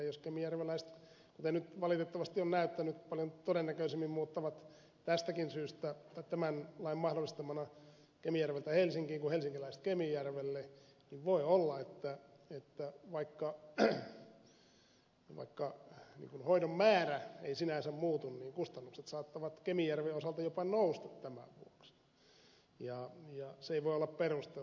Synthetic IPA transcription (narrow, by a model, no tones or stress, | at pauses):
joskemijærʋelæist̪ | kut̪enyt̪ʋɑlit̪et̪ːɑʋɑst̪ionnæyt̪ːænyt̪pɑljont̪odenːækøisemːimmuːt̪ːɑʋɑt̪ | t̪æst̪ækinsyːst̪æt̪ɑit̪æmænlɑimɑhdolːˑist̪emɑnɑ | kemijærʋelt̪æhelsiŋkiːŋkuhelsiŋkilæist̪kemijærʋelːeniʋʋoiolːɑet̪ːæ | et̪ːæʋɑikːɑ | ʋɑ̰ikːɑnḭːŋkunhoiɾommæːræḛisinæsemmuːt̪unniːŋkust̪ɑnːukset̪sɑːt̪ːɑʋɑt̪kemijærʋeosɑlt̪ɑjopɑnoust̪ɑ̥t̪tæmæ̰ʋʋṵoks | jɑjɑseeiʋoiolːɑpperust̪e